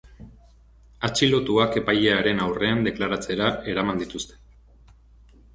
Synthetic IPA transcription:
at͡ʃilo̞t̪uake̞pajeaɾe̞nawre̞and̪e̞klaɾat͡se̞ɾae̞ɾamand̪it̪ust̪e̞̥

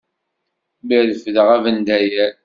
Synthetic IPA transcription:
bəðəfðəʁævənd̪æjæɾ

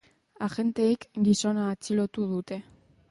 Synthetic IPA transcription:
aʝe̞nt̪e̞ikɡiso̞naːt͡silo̞t̪uð̞ut̪e̞

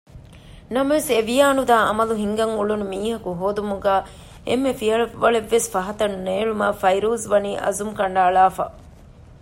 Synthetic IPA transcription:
nɐmɐʋeseʋijaːnud̪aːɐ̰mɐluɦiŋɡɐŋuɭunumiːɦɐkuɦoːd̪umuɡæː | ʔemːefiɐɭɐːɐɭeʋːesfɐɦɐt̪ɐnneːɭuma̰ːfɐjɾuːzʋɐniːʔɐ̰zumkɐɳɖaːɭaːfa̰ː

